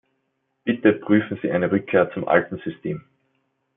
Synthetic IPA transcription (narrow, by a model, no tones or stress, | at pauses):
b̥ɪtəpʁ̥yːfn̩z̥iːʔaɪnəʁʏkʰːeːɐt͡sʊmʔa̰ltn̩z̥ʏstʰeːm